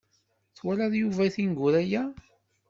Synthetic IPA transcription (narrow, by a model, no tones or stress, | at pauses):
θwælæðjuvæθinɡuɾæjæ